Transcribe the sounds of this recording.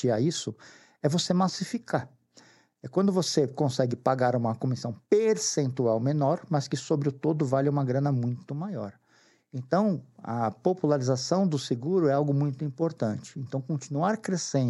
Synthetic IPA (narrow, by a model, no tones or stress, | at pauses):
ɪaisʊ | ɛvosemasifikaɾ | ɛkwɐ̃nd̪ʊvosekõsɛɡɪpaɡaɾũmɐkomisɐ̃w̃peɾsẽnt̪uawmenɔɾmɐskɪsobɾɪʊt̪od̪ʊvalɪũmɐɡɾɐ̃nɐmũj̃t̪ʊmajɔɾ | ẽnt̪ɐ̃w̃ɐ̰populaɾizasɐ̃w̃d̪ʊsɪɡuɾʊɛawɡʊmũj̃t̪ʊĩpoɾt̪ɐ̃nt͡ʃɪ̥ẽnt̪ɐ̃w̃kõt͡ʃinuaɾkɾesẽ